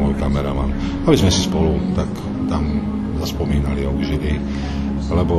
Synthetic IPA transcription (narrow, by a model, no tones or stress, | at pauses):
ɔjkamɛɾɛ̰ʋa̰n | abizmɛsispɔlut̪ak | t̪am | zaspɔmiːnaliɔɡʒili | lɛbɔ